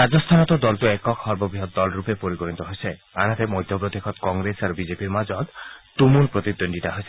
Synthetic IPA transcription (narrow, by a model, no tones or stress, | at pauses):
ɾad͡ʒɔst̪ʰanɔt̪ɔd̪ɔltuɛkɔkʰɔɾbɔbiɦɔt̪̚d̪ɔlɾupepoɾikɔɾint̪ɔɦojse | anat̪emɔjd̪ʱjɔpɾɔd̪ekʰɔt̪kɔŋɡɾesaɾubid͡ʒepiɾmad͡ʒɔt̪t̪umunpɾot̪id̪onɖiʈaɦojse